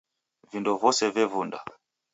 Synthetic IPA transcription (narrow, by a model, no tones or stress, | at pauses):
vindɔvɔsɛvɛvunda̰